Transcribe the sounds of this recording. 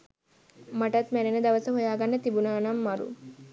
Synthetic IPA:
mɐʈɐt̪mænenəd̪ɐʋɐsɐɦojaːɡɐnːət̪ibunaːnamːɐɾṵ

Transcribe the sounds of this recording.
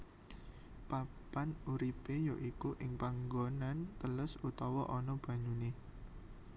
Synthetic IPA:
papanuɾipejoʔikuʔɪŋpaŋɡonant̪əlʊsut̪ɔwɔʔɔnɔb̥ä̤ɲune

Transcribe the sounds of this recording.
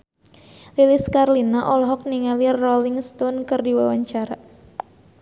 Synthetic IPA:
lilɪskarlinaʔɔlɔɦɔk̚niŋalirɔlɪŋst̪ɔnkɨrdiwawaɲt͡ʃaɾa

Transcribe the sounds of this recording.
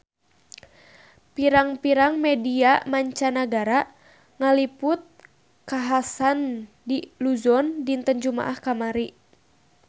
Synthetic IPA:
piɾaŋpiɾaŋmɛdiamaɲt͡ʃanaɡaɾa | ŋalipʊt̪̚ | kaɦasan | diluzɔndint̪ənd͡ʒuma̰ʔahkamaɾiʔ

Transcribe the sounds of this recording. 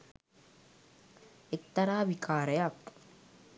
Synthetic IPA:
ek̚t̪ɐɾaːʋikʰaːɾəjɐk

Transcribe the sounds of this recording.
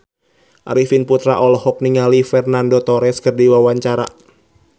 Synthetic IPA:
ʔa̰ɾifinput̪ɾa̰ʔɔlɔhɔp̚niŋalifɛrnandot̪ɔɾɛskərdiwawaɲt͡ʃaɾa̰

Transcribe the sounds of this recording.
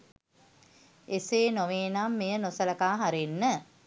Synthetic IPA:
eseːnoʋeːnamːejənosələkaːɦaɾenːə

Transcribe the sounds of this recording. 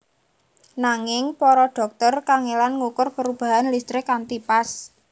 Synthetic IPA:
naŋɪŋpɔɾɔɖ̥ɔ̤k̚t̪ɔrkaŋelanŋukʊrpəɾub̥a̤ɦanlist̪ɾɪkant̪ipas

